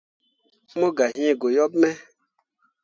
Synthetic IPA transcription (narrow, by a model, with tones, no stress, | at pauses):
mõ˦ɡa˨ɦĩ˦˨ɡo˨jɔ˦b̚mɛ˦